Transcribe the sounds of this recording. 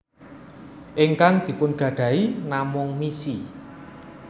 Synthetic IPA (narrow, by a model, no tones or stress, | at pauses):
ʔɪŋkaŋd̪̥i̤pʊnɡ̥ä̤ɖ̥ä̤inamʊŋmisi